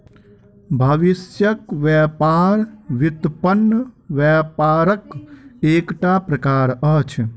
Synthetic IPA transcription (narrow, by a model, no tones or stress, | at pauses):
bʱɐʋisjəkʋjɛpaːɾʋit̪pənːəʋɛːpaːɾəkeːkʈapɾɐkaːɾət͡ʃʰ